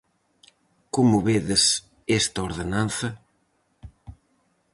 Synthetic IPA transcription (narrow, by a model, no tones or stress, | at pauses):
komʊβeðɪs | est̪ɐoɾðenanθɐ